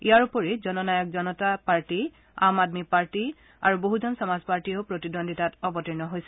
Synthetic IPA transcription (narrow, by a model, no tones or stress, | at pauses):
ijaɹupɔɹizɔnɔnajɔk̚zɔnɔtapaɹti | a̰madmipaɹti | a̰ɹuboɦuzɔnsɔmazpaɹtioʊpɹotidondʱitatɔbɔtiɹnɔɦojsɛ̥